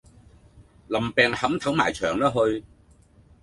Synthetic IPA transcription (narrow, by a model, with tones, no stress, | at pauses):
lɐ˨˩mpɛː˨˧ŋhɐ˨˥mt̪ʰɐ˨˥wmaː˨˩jt͡ʃʰœː˨˩ŋlaː˥ɦɵ˧ɥ